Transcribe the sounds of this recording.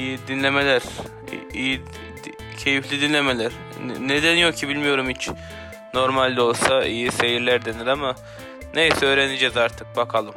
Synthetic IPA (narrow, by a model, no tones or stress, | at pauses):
ijid̪inlʲe̞me̞lʲæɾ̥̰ | iji | cʰe̞jiflʲid̪inlʲe̞me̞lʲæɾ̥ | ned̪ænjo̞k̚cʰibilʲmijo̞ɾumhit͡ʃ | no̞ɾmalʲd̪io̞lˠsaijise̞jiɾlʲæɾd̪eniɾama | ne̞jsɛøːɾenid͡ʒɛzaɾt̪ʰɯk̚bakʰalˠɯm